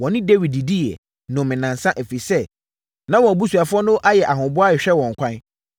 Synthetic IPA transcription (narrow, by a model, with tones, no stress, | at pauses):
wɔ̃˨nɪ̃˦de˦wi˨i˨di˦jɛ̰˨ | nʊ̃˨mɪ̃˨nã˨nsã˦ʔe˨fi˨sɛ˦ | nã˦wɔ̃˨bu˦su˨a˨fʊ˦ɔ˦nʊ̃˦ʔa˦jɛ˨ʔa˨ɦʊ̃˨bʊ˦a˦ɪ˨ɕᶣɛ˦wɔ̃˨ŋ̩˨kʷʰã˦n